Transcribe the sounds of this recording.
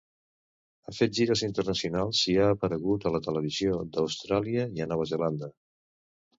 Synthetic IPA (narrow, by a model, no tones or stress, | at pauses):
afet̪̚ʒiɾəzint̪ərnəsiunalˠsiaːpəɾəɣ̞ut̪ələt̪ələβ̞iziod̪əwst̪ɾaliəiənɔβ̞əzəland̪ə